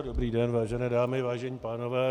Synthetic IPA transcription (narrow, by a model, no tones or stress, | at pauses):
dobɾiːdɛnvaːʒɛnɛːdaːmɪvaːʒɛɲiːpaːnovɛː